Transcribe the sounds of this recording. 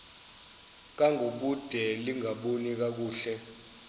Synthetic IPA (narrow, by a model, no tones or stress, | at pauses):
k̬ʼaŋʱok̬ud̥ʱɛliŋɡʱaɓonik̬ak̬uːɬɛ